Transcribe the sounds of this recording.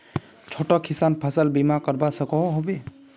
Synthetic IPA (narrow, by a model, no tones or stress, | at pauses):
t͡ʃʰoʈɔkʰisanpʰəsəlbimakəɾbasəkɔɦobe